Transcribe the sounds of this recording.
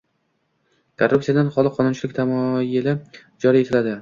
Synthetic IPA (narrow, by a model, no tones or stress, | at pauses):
kʰorupsijad̪anχɒlˠɪqʰɒnʊnt͡ʃʰɪlɪk̚ʲt̪ʰamɒjɪlɪ | d͡ʒɒɾie̞t̪ʰɪlad̪ɪ